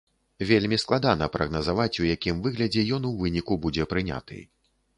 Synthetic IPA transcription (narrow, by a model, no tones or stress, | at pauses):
vʲelʲmʲisklˠad̪anɐpɾɐɣnɐzavat͡sʲujakʲimvɨɣlʲɐd͡zʲɛjɔnuwvɨnʲikubud͡zʲɛpɾɨnʲa̰t̪ɨ̰